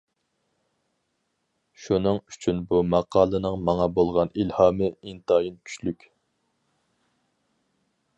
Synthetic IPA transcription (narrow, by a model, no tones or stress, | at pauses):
ʃunɨŋyt͡ʃʰynbumɑqʰɑːlˠɨnɨŋmɑŋɑbolˠʁɑnilhɑːmɨint̪ɑːjinkʲʰy̥ʃlykʲ